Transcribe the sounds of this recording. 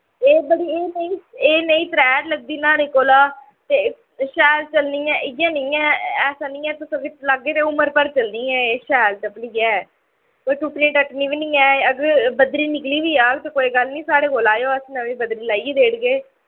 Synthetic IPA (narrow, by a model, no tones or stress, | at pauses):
eːbəɽiːeːnəĩːeːnəĩːt̪ɾɛːɖləɡ̚d̪iːnaːneːkoːlaː | t̪eː | ʃɛːlt͡ʃəlniːɛ̃ːʔɪɡãːnĩːɛːɛːsãːnɪ̃ːɛːt̪ʊsəɡelaɡːeːt̪eːʊməɾpəɾt͡ʃəlnĩːɛ̃ːeːʃɛːlt̪əpliːɛː | koːit̪uʈniːʈəʈniːʋiːnĩːɛːəɡəɾbəd̪ɾiːnɪkliːʋiːaːɡt̪eːkoːiːɡəlnĩːsaːɽeːɡolaːjoːəsnəʋĩːbəd̪ɾiːlaːieːd̪eːɽɡeː